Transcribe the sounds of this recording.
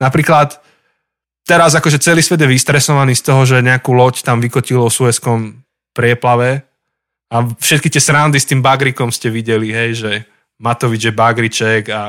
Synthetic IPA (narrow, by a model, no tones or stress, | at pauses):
napɾiːklat̪ː | ɛɾazakɔʒɛt͡sɛliːsʋɛd̪jɛʋist̪ɾɛsɔʋaniːst̪ɔɦɔʒɛɲɛakuːlɔct̪amʋikɔcilɔsuʋɛskɔm | pɾɪɛplaʋɛ | afʃɛt̪̚kit̪ɪɛsɾand̪ist̪iːmbaɡɾikɔmscɛʋiɟɛliɦɛjʒɛ | mat̪ɔʋid͡ʒjɛbaɡɾit͡ʃɛɡa